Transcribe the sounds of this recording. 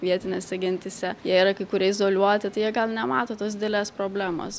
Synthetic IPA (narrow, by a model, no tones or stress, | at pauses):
ʋʲiɛt̪ʲɪnʲeːsʲɛɡʲɪnʲt̪ʲɪsʲɛjiɛiɾɐkɐɪkʊɾʲɛɪzoːlʲuɔt̪ʲɪt̪ɐɪjiɛɡɐlˠnʲɛmɑːt̪oːt̪oːsd̪ʲɪd̪ʲeɛlʲeːspɾoːbʲlʲæːmo̰ːs